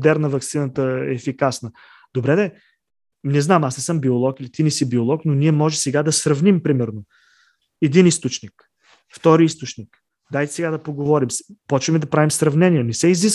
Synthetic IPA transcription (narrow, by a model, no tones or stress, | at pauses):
d̪ɛɾnəvɐksinət̪əɛːfikasnə | d̪̥obɾɛd̪ɛ | nɛznamasnɛsɤmbiolˠɔkilit̪inɛsibiolˠɔknoniɛmɔʒɛsɛɡad̪ɐsɾɐvnimpɾimɛɾno | ɛd̪inist̪ot͡ʃnik | ft̪ɔɾiist̪ot͡ʃnik | d̪ajt̪ɛ̥sɛɡad̪ɐpoɡovɔɾimspɔt͡ʃvɐmid̪ɐpɾavimsɾɐvnɛniɛnɛsɛizis